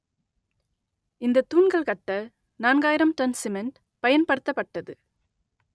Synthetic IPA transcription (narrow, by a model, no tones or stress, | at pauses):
ɪnd̪ɐt̪ːuːɳɡɐɭkɐʈːɐ | naːnɡaːjɪɾɐmʈɐnsɪmɛnʈ | pɐjɐnpɐɽɯt̪ːɐpːɐʈːɐðɯ